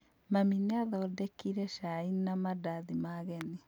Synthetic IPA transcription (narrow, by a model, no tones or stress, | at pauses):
mamineaðɔːdɛkiɾɛʃainamadaðimaɣɛni